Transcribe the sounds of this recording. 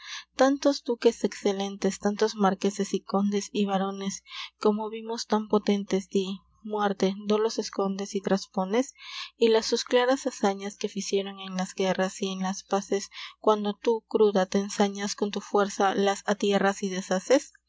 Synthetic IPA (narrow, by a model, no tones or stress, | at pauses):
t̪ant̪o̞zd̪uke̞se̞kse̞le̞nt̪e̞st̪ant̪o̞zmaɾke̞sesiko̞nd̪esiβaɾo̞ne̞sko̞mo̞βimo̞st̪ampo̞t̪e̞nt̪e̞zdi | mwe̞ɾt̪e̞d̪o̞lo̞se̞sko̞nd̪esit̪ɾaspo̞ne̞silasusklaɾasasaɲaske̞fisje̞ɾo̞ŋe̞nlazɡe̞rasie̞nlaspase̞skwand̪o̞t̪ukɾuðat̪e̞ːnsaɲasko̞nt̪ufwe̞ɾsalasat̪je̞rasiðe̞sases